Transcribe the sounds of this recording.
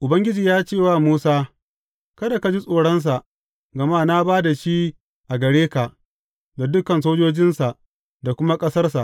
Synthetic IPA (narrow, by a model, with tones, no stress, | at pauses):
ʔʊ˨bɐ˦ŋɡʲɪ˦d͡ʒiː˨jaː˦t͡ʃeː˦˨waː˦˨muː˦saː˦ | kɐ˦da˨ka˨d͡ʒi˦sʼoː˨ɽɐ˦ns̬a˨ʔ | ɡɐ˨maː˦na˦baː˦da˨ʃi˦ | ʔa˨ɡɐ˨ɽeː˦ka˨ʔ | da˨dʊ˦kɐ˨nsoː˦d͡ʒoː˦d͡ʒɪ˦nsa˨ʔ | da˨kʷʊ˦ma˦kʼɐ˦sɐ˦rsa˨ʔ